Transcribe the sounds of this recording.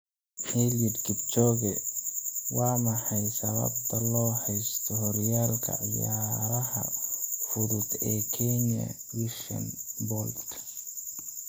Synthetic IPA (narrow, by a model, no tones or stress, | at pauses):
hɛlɪd̪kʰɪbt͡ʃɔːɣɛ | wɑːmɐħɑjsɐβɐ̰b̚t̪ʰɐlɔːhɛjst̪ʰɔhɔɾjaːlkʰɐ̰ʕɪjaːɾɐhɐ̰fʊɾʊd̪ɛːkʰɛɲɐ̰ | wiʃɐ̰nbɔːld̪kʰ